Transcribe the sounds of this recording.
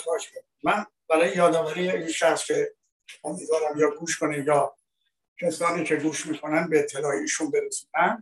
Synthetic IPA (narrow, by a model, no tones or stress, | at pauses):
bɒːʃ | mænbæɾɒːjejɒːd̪ɒːvæɾiːjeinʃæxscʲʰe̞ | omid̪vɒːɾæmjɒːɡuːʃkʰonejɒː | cʰesɒːniːcʰe̞ɡuːʃmiːkʰo̞nænd̪̚beːt̪ʰːe̞lɒːjeiːʃunbeɾesiːnænd̪